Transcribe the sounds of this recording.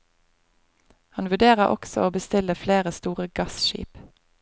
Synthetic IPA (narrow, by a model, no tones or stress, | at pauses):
hɑnʋʉɖ̪eːʁəʔɔ̰ksɔ̰ʔoːbəst̪ɪləfleːʁəst̪uːʁəɡɑsʃḭːp